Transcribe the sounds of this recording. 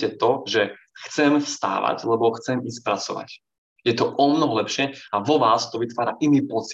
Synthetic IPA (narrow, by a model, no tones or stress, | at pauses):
ɛt̪ɔʒɛ | xt͡sɛmfst̪a̰ːʋa̰ɟlɛbɔxt͡sɛmis̚pɾat͡sɔ̰ʋa̰c | jɛt̪ɔʔɔmnɔɦɔlɛpʃɪɛaʋɔʋaːst̪ɔʋit̪ʋaːɾaʔiniːpɔt͡s